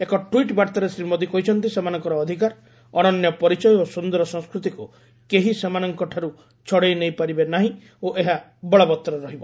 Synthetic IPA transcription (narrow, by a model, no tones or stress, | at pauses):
ekɔʈwiʈbaɾt̪aɾesɾimod̪ikɔɦit͡ʃʰɔnt̪isemanɔŋkɔɾɔːd̪ʱikaɾ | ɔñɔnjɔpɔɾit͡ʃɔjɔosund̪ɔɾɔsɔŋskɾut̪iku | keɦisemanɔŋkɔʈʰaɾu | t͡ʃʰɔɽejnejpaɾibenaɦĩ | oʔeɦa | bɔɭɔbɔt̪ːɾɔɾɔɦibɔ